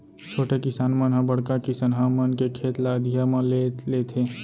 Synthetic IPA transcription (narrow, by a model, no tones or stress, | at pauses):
t͡ʃʰoːʈekɪsaːnmənɦə̃bəɽ̤kakɪsənɦə̃mənkekʰeːt̪lad̪ʱijamãlelet̪ʰeː